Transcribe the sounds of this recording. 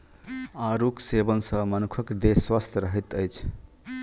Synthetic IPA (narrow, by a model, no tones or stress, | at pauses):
aɾuksebənsə̃mənukʰəkd̪eswəst̪ʰɾəɦɛt̪əjt͡ʃʰ